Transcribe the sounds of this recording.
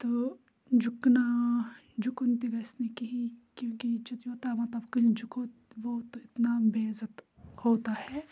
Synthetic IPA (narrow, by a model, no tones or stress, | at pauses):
t̪oː | d͡ʒʊkna | d͡ʒʊkʊnt̪iɡaɪsnekɐɦikjõːkid͡ʒɐt̪joːt̪amɐt̪lɐbkɐld͡ʒʊkot̪ʋot̪oɪt̪nabeːzət̪ | hoːt̪ahɛː